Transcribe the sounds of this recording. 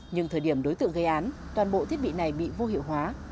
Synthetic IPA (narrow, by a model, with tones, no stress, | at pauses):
ɲɨ˧ŋt̪ʰəː˨˩jɗi˧˩əmɗo˨˦jt̪ɨ̰˧əŋɣə˨˧˦jʔaː˨˦n | t̪waː˨˩nɓo̰˧˨t̪i˦˥ət̚ɓḭ˧˨na˨˩jɓḭ˧˨vo˧hi˧˩əwɦwaː˨˦